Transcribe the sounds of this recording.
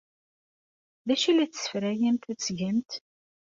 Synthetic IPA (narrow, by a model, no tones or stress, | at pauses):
ðæʃilæt͡sːsə̥fɾæjəmt̪æt͡sːʝəmt̪